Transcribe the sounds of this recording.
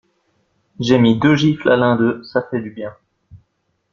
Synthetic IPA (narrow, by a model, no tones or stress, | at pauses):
ʒemid̪øʒiflalɛ̃d̪øsafɛd̪ybjɛ̃